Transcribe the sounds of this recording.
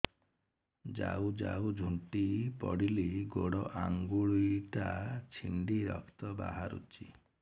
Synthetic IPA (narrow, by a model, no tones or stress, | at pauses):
d͡ʒawd͡ʒawd͡ʒʱuɳʈipɔɽiliɡoɽɔʔaŋɡuɭujʈat͡ʃʰiɳɖiɾɔkʰt̪ɔbaɦaɾṵt͡ʃʰi